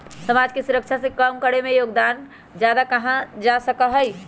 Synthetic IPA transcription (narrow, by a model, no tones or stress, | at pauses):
səmad͡ʒkesuɾəkt͡ʃʰasẽkəmkəɾemejoɡd̪an | d͡ʒjad̪akəɦãd͡ʒasəkəɦəj